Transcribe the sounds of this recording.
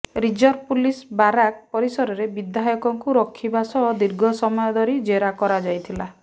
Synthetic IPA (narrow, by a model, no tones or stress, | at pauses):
ɾid͡ʒɔɾpulisbaɾak̚pɔɾisɔɾɔɾebid̪ʱajɔkɔŋkuɾɔkʰːibasɔd̪iɾɡʱɔsɔmɔjɔd̪ʱɔɾid͡ʒeɾakɔɾad͡ʒajt̪ʰila